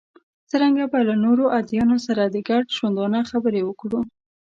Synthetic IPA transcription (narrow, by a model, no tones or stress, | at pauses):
t͡səɾaŋɡabalanoɾoʔad̪ijɑnosaɾad̪əɡaɖʃwand̪ɑnaxabəɾewəkɽu